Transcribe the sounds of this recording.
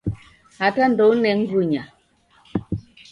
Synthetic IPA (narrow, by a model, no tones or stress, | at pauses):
atan̩donɛŋ̩ɡuɲa